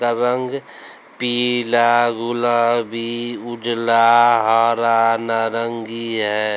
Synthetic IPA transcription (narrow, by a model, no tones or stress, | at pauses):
aɾəŋɡ | piːlaɡʊlabʱiʊɖlaɦaːɾanaɾəŋɡiɦɛː